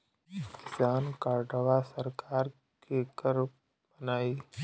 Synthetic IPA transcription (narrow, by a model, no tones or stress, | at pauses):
kɪsaːnkaːɾɖəʋasəɾkaːɾ | kekəɾ | bənaːiː